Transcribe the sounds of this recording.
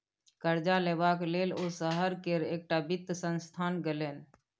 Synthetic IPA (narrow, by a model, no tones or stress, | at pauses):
kəɾd͡ʒaleːbakleːlosəɦəɾkeɾeːk̚ʈabɪt̪ːsənst̪ʰaːnɡeleːn